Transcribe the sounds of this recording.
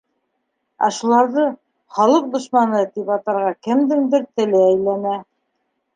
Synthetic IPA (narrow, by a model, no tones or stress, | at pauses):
æ̰ʃulˠɑɾðɤ | χɑlˠɤq̚d̪ŏʃmɑnɤt̪ipɑt̪ɑ̆ɾʁɑkɘmd̪ɘnd̪ɘɾt̪ɘ̆lɘæjlænæ